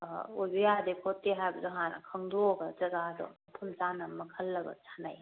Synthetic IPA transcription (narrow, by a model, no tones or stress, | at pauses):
ojbɯjadekʰotːeɦajbɐdɔɦan̰kʰɐŋdoɡɐd͡ʒɐɡaːdɔ̰ | pʰunzanɐmɐkʰəlːɐɡɐ̰sʰana̰j